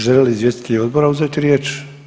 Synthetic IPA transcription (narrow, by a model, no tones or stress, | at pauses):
ʒɛlilizʋjɛst̪kiːɔd̪̚bɔɾawzatɾɪɛt͡ʃ